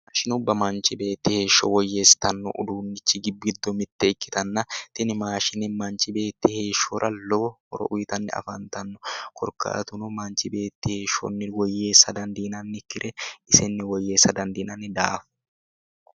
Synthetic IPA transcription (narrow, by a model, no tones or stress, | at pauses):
aʃɪnʊbːɐmɐnt͡ʃɪbe̞ːt̪ːɪhe̞ːʃːɔwɔjːeːst̪ɐnːɔ̰ʔʊ̰d̪uːnːɪt͡ʃːɪɡɪbːɡɪd̪ːɔmɪt̪ːɛɪkːɪ̥t̪ɐnːɐt̪ɪnɪmaːʃɪnɪmɐnt͡ʃɪbe̞ːt̪ːɪhe̞ːʃːoɾʔɐlɔbɔhɔɾɔ̰ʔʊjɪt̪ɐnːɪ̰ɐ̰fɐnt̪ɐnːɔkʰɔɾka̰ːt̪ʊnʊmɐnt͡ʃɪbe̞ːt̪ːɪhe̞ːʃːɔ̰nːɪwɔjːeːsːɐd̪ɐnd̪iːnɐnːɪkːɪɾʔɛɪsɛnːɪwɔjːe̞ːsːɐd̪ɐnd̪iːnɐnɪd̪aːf